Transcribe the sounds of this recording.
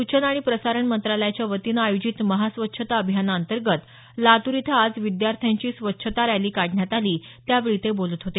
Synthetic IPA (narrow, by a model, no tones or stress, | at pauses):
ut͡ɕənaɽ̃ipɾəsaɾəɳmənt̪ɾaləjat͡ɕjaʋət̪inajod͡ʑit̪məɦasʋətːɕʰət̪aəbʱijanaənt̪əɾɡət̪ | lat̪uɾit̪ʰaːd͡zʋid̪jaɾt̪ʰjaɲt͡ɕiːsʋətːɕʰət̪aɾjaliːkaɽɳjat̪aliːt̪jaʋeɭit̪ebolət̪ɦot̪e